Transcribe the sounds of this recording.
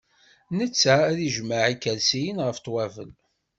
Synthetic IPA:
nət͡sːææðiʒmaʕikːælsijənʁəft̪wævə̰l

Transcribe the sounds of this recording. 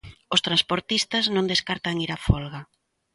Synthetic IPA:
ost̪ɾanspoɾt̪ist̪aznõnd̪eskaɾt̪aŋiɾafɔlɣa

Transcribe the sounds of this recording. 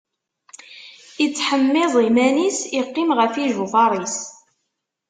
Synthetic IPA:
it͡sːħəmːɪðˤimænisiqːɪmʁəfiʒuvɑɾˤis

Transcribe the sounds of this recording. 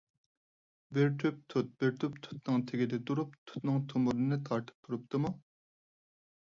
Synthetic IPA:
beɾt̪ʰyp̚t̪ʰut̪̚beɾt̪ʰypt̪ʰu̥t̪̚nɨŋt̪ʰeɡʲɪd̪ɛt̪uɾupt̪ʰu̥t̪nɨŋt̪ʰomuɾɨnɨt̪ʰɑɾt̪ʰɨ̥p̚t̪ʰuɾupt̪ʰɨmu

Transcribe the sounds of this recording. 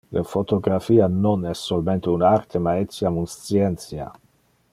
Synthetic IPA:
ləfot̪oɡɾafiːanonɛsːolment̪eunart̪emaet̪sjamunst̪sjɛnt̪sja̰

